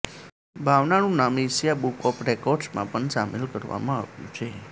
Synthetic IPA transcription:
bʱaʋnaɽ̃ũnamiʃjabukɔpɾekɔɾɖsmã̰pəɳsamelkəɾʋa̰mãa̰ʋjṵ̃t͡ʃʰe

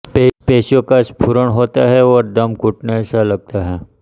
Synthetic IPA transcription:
pepeːʃjõkaspʰuɾəɽ̃ɦoːt̪aɦɛɔːɾd̪ɐmkʊʈnesalɐɡ̚t̪aɦɛː

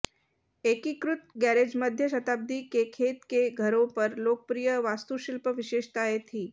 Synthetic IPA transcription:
ekikɾut̪̚ɡæɾed͡ʒməd̪ʱjəʃət̪ab̚d̪ikekʰet̪keɡʱəɾõpəɾlok̚əpɾijəʋast̪uʃilpəʋiɕeʂt̪aɦet̪ʰiː

